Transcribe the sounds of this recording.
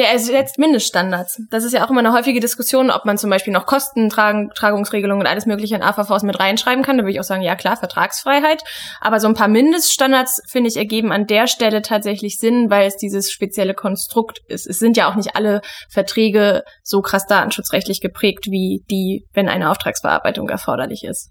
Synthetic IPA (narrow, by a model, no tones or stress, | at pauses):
jaɛszɛt͡stmɪndəstʃtandaɐt͡sd̥as̬ɪstjaːaʊxʔɪmɐnəhɔʏfɪɡədɪskʊsjoːnʔɔ̰pmant͡sʊmbaɪʃpiːlnɔχkʰɔstn̩tʁaːtʁ̥aːɡʊŋsʁeːɡəlʊŋənʊntʔa̰ləsmøːklɪçəɪnʔa̰ːfafaʊsmɪtʁaɪnʃʁ̥aɪbm̩kʰandavʏɪçaʊxz̥aːɡŋ̩jaːkl̥aːɐfɛɐtʁ̥a̰ːksfʁ̥aɪɦaɪtʔa̰ːbɐzoːnpʰaːɐmɪndəstʃtandaɐt͡sfɪndəɪçɛɐɡeːbm̩andeːɐʃtɛlətʰaːtz̥ɛçlɪçz̥ɪnvaɪlɛsd̥iːzəsʃpet͡sjɛləkʰɔnstʁ̥ʊktʔɪ̰stɛsz̥ɪntjaːaʊxnɪçtʔa̰ləfɛɐtʁ̥ɛːɡəz̥oːkʁ̥asd̥aːtn̩ʃʊt͡sʁɛçtlɪçɡ̥əpʁ̥ɛːktv̥iːd̥iːvɛnʔa̰ɪnəʔa̰ʊftʁ̥a̰ːksb̥ə̰ʔa̰ɐbaɪtʊ̰ŋʔɛ̰ɐfɔɐɾɐ̰lɪ̰çɪ̰st